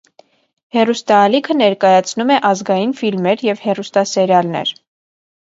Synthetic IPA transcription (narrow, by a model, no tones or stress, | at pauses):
hɛrust̪ɑːlikʰənɛɾkɑjɑt͡sʰnumɛʔɑzɡɑjinfilmɛɾjɛvhɛrust̪ɑsɛɾjɑlnɛ̰ɾ